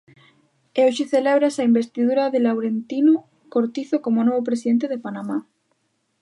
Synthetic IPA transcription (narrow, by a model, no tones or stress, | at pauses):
eoʃeθeleβɾasaimbest̪iðuɾaðelawɾent̪ino | koɾt̪iθokomonoβop̬ɾesiðent̪eðepanama